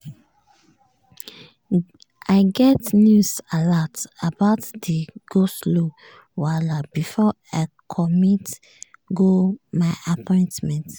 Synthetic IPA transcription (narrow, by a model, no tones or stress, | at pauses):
aɪɡɛtnjusalatabaʊtdəɡ̥oslo | walabifɔ | aɪkʰɔmit | ɡomaɪʔapʰɔ̃ɪ̃ntmɛ̃nt